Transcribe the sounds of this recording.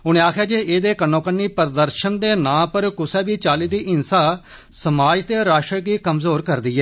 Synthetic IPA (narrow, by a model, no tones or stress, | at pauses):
ʊñẽːaːkʰjaːd͡ʒeːʔeːd̪eːkənõːkənːiːpəɾd̪əɾʃənd̪eːnãːpəɾkʊsɛːbiːt͡ʃaːliːd̪iːʔɪnsaː | səmaːd͡ʒt̪eːɾaːʃʈɾəɳkiːkəmzoːɾkəɾd̪iːɛː